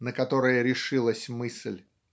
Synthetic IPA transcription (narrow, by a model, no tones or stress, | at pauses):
nəkɐt̪o̞ɾɨjəɾʲɪʂɨlˠəsʲmɨsʲlʲ